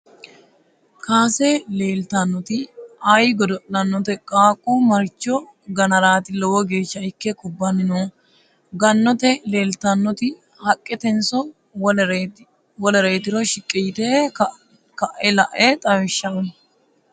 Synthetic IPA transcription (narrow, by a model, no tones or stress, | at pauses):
kaːseleːlt̪ɐnːɔt̪ɪɐjɡɔd̪ɔʔɐnːɔt̪ɛkʼaːkʼːumɐɾt͡ʃːɔ | ɡɐnɐɾaːt̪ɪlɔwɔɡe̞ːʃːɐɪkːɛkʊbːɐnɪnoː | ɡɐnːɔt̪ɛle̞ːlt̪ɐnːɔt̪ɪ | hɐkʼːɛt̪ɛnsɔ | wɔlɛɾeːt̪ɪɾɔʃɪkʼːɪjt̪e | kɐʔɛlɐʔɛt̪ʼɐwɪʃːɐmɛ